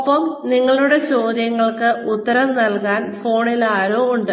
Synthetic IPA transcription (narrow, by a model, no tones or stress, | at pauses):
ɐpːɐmniŋːɐɭuɽe̞t͡ɕo̞ːd̪ʱjɐŋːɐɭkɨut̪ːɐɾɐmnɐlkaːnfo̞ːɳilaːɾoːuɳɖɨ